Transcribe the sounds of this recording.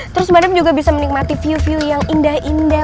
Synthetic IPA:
t̪əɾʊsmanəf̚d͡ʒuɡabisamənik̚mat̪ifiufiujaŋindahinda

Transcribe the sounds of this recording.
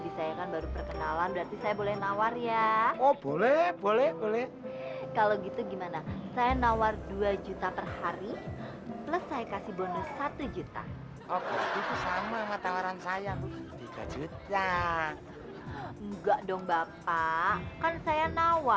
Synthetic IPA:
bisajakanbaɾupərkənalanbəɾart̪isajabolɛhnawarjaɔbolɛhbolɛhbolɛh | kaloɡit̪uɡimanasajanawarduad͡ʒut̪apərhaɾi | ləsːajakasihbonɔssat̪ud͡ʒut̪a̰ | okit̪usamamat̪awaɾansajakt̪iɡa̰d͡ʒut̪a | ŋɡaʔdɔŋbapakansajanawa

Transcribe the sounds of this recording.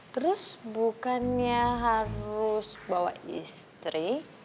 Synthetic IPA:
t̪əɾʊsbukanɲaɦaɾʊsbawa̰ḭst̪ɾi

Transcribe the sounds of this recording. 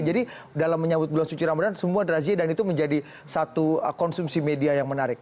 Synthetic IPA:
d͡ʒadi | dalamːəɲabʊt̪̚bəlansut͡ʃiɾamadansəmuadɾaziadanit̪uməɲd͡ʒadi | sat̪ukɔnsumsimediajaŋmənaɾɪk̚

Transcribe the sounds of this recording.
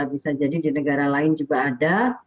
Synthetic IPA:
abisad͡ʒadidinəɡaɾalaɪnd͡ʒuɡaːda

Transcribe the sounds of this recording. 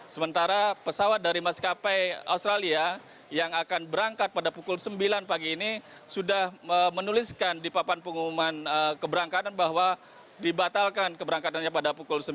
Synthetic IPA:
səmənt̪aɾapəsawat̪̚daɾimaskapajaust̪ɾalia | jaŋakanbəɾaŋkat̪̚padapukʊlsəmbilanpaɡiːnisudahəmənuliskandipapanpəŋumumanəkəbəɾaŋkat̪anbaɦwa | dibat̪alkankəbəɾaŋkat̪anɲapadapukʊlsə

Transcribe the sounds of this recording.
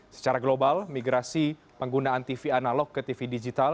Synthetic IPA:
sə̥t͡ʃaɾaɡlobalmiɡɾasi | pəŋɡunaːnt̪ifianalɔɡːɨt̪ifidid͡ʒit̪al

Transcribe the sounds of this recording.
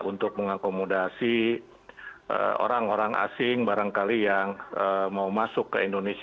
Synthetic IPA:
ʔunt̪ʊk̚məŋakomodasi | ʔə̰o̰ɾaŋoɾaŋa̰sɪŋbaɾaŋkalijaŋəmaumasʊkːə̰indones

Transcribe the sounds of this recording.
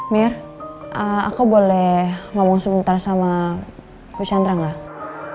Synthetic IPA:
mɛrʔəa̰kubolɛhmɔmɔŋsəbənt̪arsama | put͡ʃand̪ɾaŋa

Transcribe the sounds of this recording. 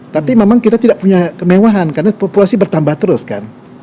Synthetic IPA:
t̪apimemaŋkit̪at̪idaʔpuɲakəmewaɦankarnapopulasibərt̪ambaht̪əɾʊska̰n

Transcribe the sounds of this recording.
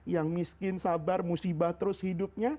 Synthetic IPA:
jaŋmiskɪnsabarmusibaht̪əɾʊshidʊp̚ɲa

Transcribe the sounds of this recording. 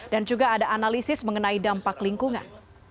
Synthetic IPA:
dand͡ʒuɡaːdaːnalisɪsməŋənaidampakliŋkuŋa̰n

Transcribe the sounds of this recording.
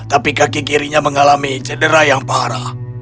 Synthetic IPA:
t̪apikakikiɾiɲaməŋalamit͡ʃədəɾajaŋpaɦaɾa

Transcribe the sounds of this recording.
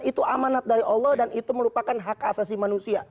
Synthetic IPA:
it̪uʔamanat̪̚daɾiʔɔlːɔhdanit̪uməlupakanɦakasasimanusia

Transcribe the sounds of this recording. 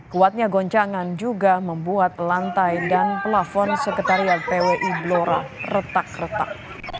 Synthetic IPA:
kuat̪̚ɲaɡɔɲt͡ʃaŋand͡ʒuɡaməmbuat̪̚lant̪ajdanpəlafɔnsəkət̪aɾiat̪eweʔibloɾa̰rət̪ak̚rət̪a̰k̚

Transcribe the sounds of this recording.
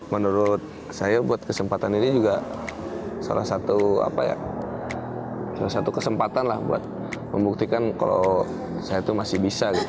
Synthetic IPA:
mənuɾʊt̪̚ | sajabuat̪̚kəsəmpat̪aninid͡ʒuɡa | sa̰la̰hsat̪ua̰pa̰ja̰ | salasat̪ukəsəmpat̪anlahbṵa̰t̪̚ | məmbuk̚t̪ikanka̰lo | sajat̪umasɪhbisaɡit̪

